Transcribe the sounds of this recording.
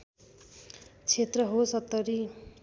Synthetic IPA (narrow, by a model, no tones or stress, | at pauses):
t͡sʰet̪rʌɦosʌt̪ːʌɾi